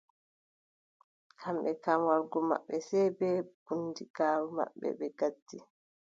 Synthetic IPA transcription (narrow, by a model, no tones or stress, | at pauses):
kʰamɓɛkamwaɾɡɔma̰ɓːɛsɛbɛb̥unːdiɡaːɾuma̰ɓːɛ̰ɓɛɡadːi